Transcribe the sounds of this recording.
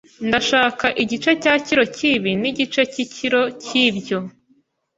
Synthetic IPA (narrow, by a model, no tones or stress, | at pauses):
ndaʃaːkaʔiɟit͡ʃe̞caːciɾo̞ciβiniɟit͡ʃe̞ciciɾo̞cibɟo